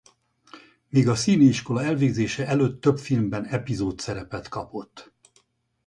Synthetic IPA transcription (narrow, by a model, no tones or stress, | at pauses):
miːɡɒsiːneiʃko̞lɒɛlveːɡzeːʃɛʔɛløːt̪ːø̞pfilmbɛnɛpizoːt̪sɛɾɛpɛt̪kɒpo̞t̪ː